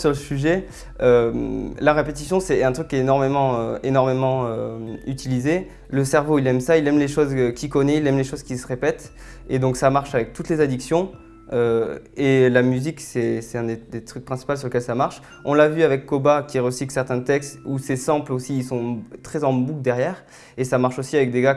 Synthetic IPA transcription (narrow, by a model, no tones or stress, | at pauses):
syʁləsyʒɛ | ømlaʁepet̪isjɔ̃sɛɛ̃t̪χykʲːjɛenɔʁmemɑ̃øenɔʁmemɑ̃øyt̪ilize | ləsɛʁvoilɛmsailɛmleʃozkʲikɔnɛilɛmleʃozkʲisəʁepɛt̪ | ed̪ɔ̃ksamaʁʃavɛk̚t̪ut̪lezad̪iksjɔ̃ | ø | elamyziksɛsɛt̪ɛ̃d̪ed̪et̪χyk̚pχɛ̃si̥pals̬yʁləkɛlsamaʁʃ | ɔ̃lavyavɛkːɔbakʲiʁəsiklsɛʁt̪ɛ̃t̪ɛkst̪usɛsɛ̃plosiːsɔ̃t̪χɛzɑ̃bukd̪ɛʁjɛːʁ | esamaʁʃosiavɛk̚d̪eɡa